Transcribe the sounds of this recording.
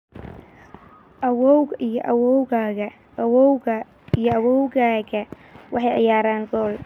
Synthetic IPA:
ʔɐwɔwʔijɔʔɐwɔwɡaɡɐ | wɔwɐ | ijɔɐwɔwɡaːɡɐ | wʔɑħɑjʕɪ̰jaːɾaːŋɡɔːl

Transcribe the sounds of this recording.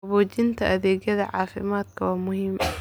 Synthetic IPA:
βɔːt͡ʃɪnt̪ʰɐʔɐðɛːɣjɐðɐʕɑ̰ːfɪ̰maːd̪kʰɐwaːmʊhiːm

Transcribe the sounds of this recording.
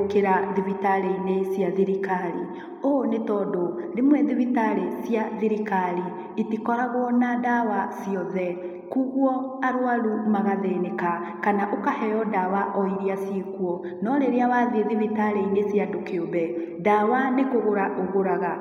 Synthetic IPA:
keɾaðivitaɾeinesjaðiɾikaɾi | onetɔdoɾemwɛðivitaɾesjaðiɾikaɾi | itikɔɾaɣwɔnadawasiɔðɛ | kuɣwɔaɾwalumaɣaðeneka | kanaʔokahɛjɔdawaʔɔiɾiasjekuɔ | nɔɾeɾeawaðeðivitaɾeinesjadokeobɛ | dawanekoɣoɾaʔoɣoɾaɣa

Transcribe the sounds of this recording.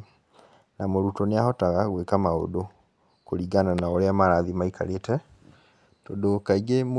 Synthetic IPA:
namoɾutɔneahɔtaɣaɣwekamao̰do | koɾiɡananaoɾeamaɾaðimaikʰa̰ɾetɛ | todokaiɣem

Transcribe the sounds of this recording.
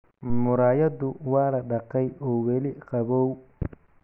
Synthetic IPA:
mʊɾaːjɐdʊwɑːlɐɖɐqɛjɔːwɛlɪqɑβɔːw

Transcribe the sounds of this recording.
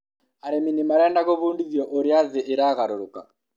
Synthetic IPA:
aɾeminimaɾɛːndaɣoβuːndiðjɔʔoɾjaziʔiɾaɣaɾuɾuka

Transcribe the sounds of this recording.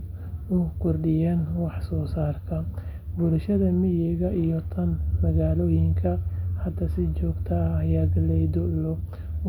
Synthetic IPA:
ʊkʰʊrɖɪjaːnwɑħsɔːsaːrkʰɐ | bʊlʃɐðɐmɪjɛɣɐʔijɔt̪ʰɐnmɐɣaːlɔːjɪŋkʰɐhɐd̪ɐsɪt͡ʃɔːɡt̪ʰɐɐjaːɡɐlɛjd̪ɔlɔ

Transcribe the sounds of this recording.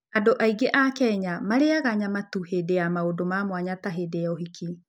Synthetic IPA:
adoʔaiɡeʔakɛɲamaɾeaɣaɲamatuhedeamaodomamwaɲataɦedeɔɦikʰi

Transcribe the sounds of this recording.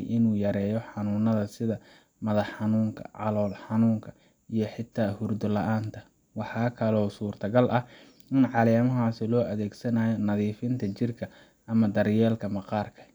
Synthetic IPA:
jʔɪnuːjɐɾɛːjɔħɑnuːnɐðɐsɪðɐ | mɐðɐħħɑnuːŋkʰɐ̰ʕɑ̰lɔːlħɑnuːŋkʰɐ | ijɞħɪt̪ʰːaːhʊrd̪ɔlɐʔaːnt̪ʰɐ | wɑħɑːkʰɐlɔːsuːrt̪ʰɐɡɐlʔɐ | ɪnʕɑlɛːmɐɦaːsɪlɔːʔɐðɛːɡsɐnaːjɔnɐðiːfɪnt̪ʰɐt͡ʃɪrkʰɐ | ʔɐmɐd̪ɐɾjɛːlkʰɐmɐqɑːrkʰɐ̥

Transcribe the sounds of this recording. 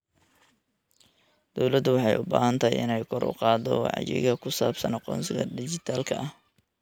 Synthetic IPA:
d̪̥ɔwlɐd̪ʊwɑħɑjʔʊbaːhɐnt̪ʰɐjɪ̰nɛjkʰɔɾʔʊ̰qɑːd̪ɔwɑ̰ʕjɪ̰ɣɐkʰʊsaːbsɐnɐqɔ̰ːnsɪɣɐd̪ɪt͡ʃɪt̪ʰaːlkʰɐʔɐh

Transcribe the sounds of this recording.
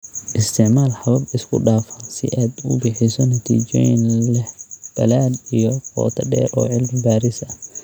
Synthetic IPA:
ʔɪst̪ʰɪʕmaːlħɑβɐbɪskʰʊɖaːfɐnsɪ̰ʔaːd̪ʊbɪħɪsɔnɐt̪ʰḭːt͡ʃɔːjɪnlɛħb̥ɐlaːd̪ijɔqɔ̰ːt̪ʰɐɖɛ̰ːɾʔɔːʕɪlmɪbaːɾɪsɐ

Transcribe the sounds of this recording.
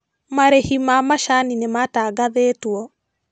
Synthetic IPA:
maɾehimamaʃaninemataːɡaðeːtwɔ

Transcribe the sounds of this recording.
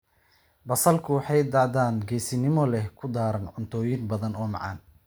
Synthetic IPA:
bɐsɐlkʰʊwɑħɑjd̪aːd̪aːnɡɛːsɪnɪmɔlɛhkʰʊd̪aːɾɐnʕʊnt̪ʰɔːjɪnbɐðɐnɔːmɑ̰ʕɑ̰ːn

